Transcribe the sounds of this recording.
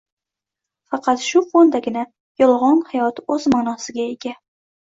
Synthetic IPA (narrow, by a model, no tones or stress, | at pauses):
fɑqʰɑt̪ʃʊqʰond̪aɡʲɪna | jɒlˠʁɒnhajɒt̪ɵzmanɒsɪɡʲae̞ɡʲa